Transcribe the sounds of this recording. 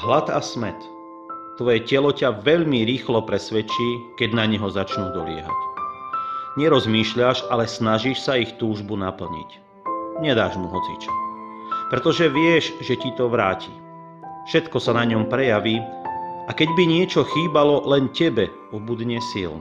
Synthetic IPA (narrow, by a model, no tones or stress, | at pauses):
ɦlat̪a̰smɛ̰t̪ | t̪ːʋɔjɛcɛlɔcaʋɛʎmiɾiːxlɔpɾɛsʋɛt͡ʃiːkɛɟnaɲɛɦɔzat͡ʃnuːd̪ɔ̰lɪɛ̰ɦa̰c | ɲɛɾɔzmiːʃʎaʃalɛsnaʒiʃsaixt̪uːʒbunapl̩ɲḭc | ɲɛd̪a̰ːʒmuɦɔt͡sḭt͡ʃḁpɾɛt̪ɔʒɛʋɪɛʒʒɛcit̪ɔʋɾa̰ːci | fʃɛt̪kɔsanaɲɔmpɾɛjaʋiːakɛɟbiɲɪɛt͡ʃɔxiːbalɔlɛncɛbɛ | ɔbud̪ɲɛsḭln